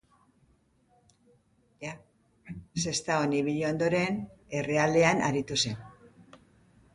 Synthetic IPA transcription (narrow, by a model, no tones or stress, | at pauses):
ja | se̞st̪aoniβ̞iʎo̞nd̪o̞ɾe̞ne̞re̞ald̪e̞anʔa̰ɾit̪use̞n